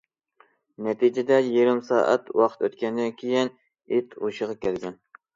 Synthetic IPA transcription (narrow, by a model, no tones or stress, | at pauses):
nɛt̪ʰid͡ʒɪd̪ɛjeɾɪmsɑ̰ːʔæ̰t̪wɑqʰt̪ʰøt̪kʲɛnd̪ɛnkʲʰijin | it̪ʰuʃəʁɑkʲʰɛlɡʲɛn